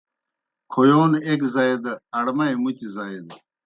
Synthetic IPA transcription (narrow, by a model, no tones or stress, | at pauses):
kʰojoːnekzaːed̪ɐɐɽmɐemut͡ɕizaːed̪